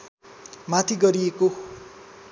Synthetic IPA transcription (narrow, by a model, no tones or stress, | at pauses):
mat̪ʰiɡʌɾieko